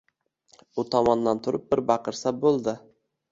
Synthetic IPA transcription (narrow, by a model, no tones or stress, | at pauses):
ʊt̪ʰɒmɒnd̪ant̪ʰʊɾɪp̚bɪɾbɑqɨɾsabolˠd̪ɪ